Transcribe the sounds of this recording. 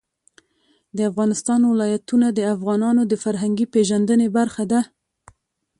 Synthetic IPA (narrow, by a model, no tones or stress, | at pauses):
d̪əafɣɑnɪst̪ɑnwɪlɑjat̪unad̪əafɣɑnɑnod̪əfaɾɦaŋɡipeʒand̪ənebaɾxad̪a